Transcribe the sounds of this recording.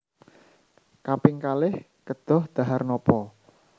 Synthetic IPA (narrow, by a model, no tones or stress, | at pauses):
kapɪŋkalɪh | kəd̪̥ɔ̤hd̪̥a̤ɦarnɔpɔ